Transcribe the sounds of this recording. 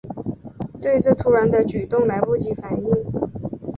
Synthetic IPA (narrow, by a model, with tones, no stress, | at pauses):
t̪we˥˧ɪʈ͡ʂɤ˥˩t̪ʰu˧˥ɻa˧˥nd̪ə˧t͡ɕy˨˩t̪ʊ˥˩ŋla˧˥ɪpu˥˩t͡ɕi˧˥fa˨˩ni˥˩ŋ